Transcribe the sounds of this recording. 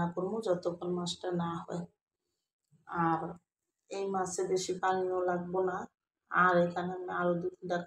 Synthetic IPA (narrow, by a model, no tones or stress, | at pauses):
akoɾmod͡ʒɔt̪okʰonmasʈanaɦɔe | aɾ | ejmasebeʃipaniolaɡ̚bona | aɾekʰaneamiaɾod̪ud̪iɖa